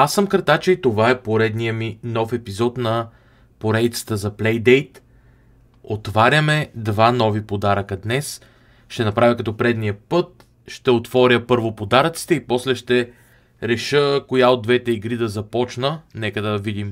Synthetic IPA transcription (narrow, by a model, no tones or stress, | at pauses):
asːəmkəɾt̪at͡ʃɛit̪ovaɛpoɾɛd̪nijəminɔfɛpizɔt̪nɐ | poɾɛd̪it̪sə̥t̪əzɐplɛjd̪ɛjt̪ | ot̪vaɾʲəmɛd̪vanɔvipod̪aɾəkəd̪nɛs | ʃt̪ɛnɐpɾavʲəkɐt̪ɔpɾɛd̪nijəpɤt̪̚ | ʃt̪ɛot̪vɔɾʲəpɤɾvopod̪aɾət̪si̥t̪ɛipɔslɛʃt̪ɛ | ɾɛʃɤkojaod̪vɛt̪ɛiɡɾid̪ɐzɐpɔt͡ʃnənɛkəd̪ɐvid̪im